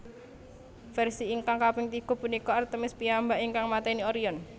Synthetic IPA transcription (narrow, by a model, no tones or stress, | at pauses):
fɛrsiːŋkaŋkapɪŋt̪iɡ̥ɔ̤punikɔart̪əmɪspiambaʔiŋkaŋmat̪ɛniɔɾiɔn